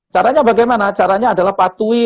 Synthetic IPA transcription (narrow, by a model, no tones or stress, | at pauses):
t͡ʃaɾaɲabaɡajmanat͡ʃaɾaɲaːdalahpat̪uɪ